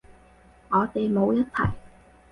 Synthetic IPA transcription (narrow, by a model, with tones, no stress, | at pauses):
ŋɔː˨˧˦t̪e˨˩jmo˨˧wjɐ˦˥t̚t̪ʰɐ̰˨˩j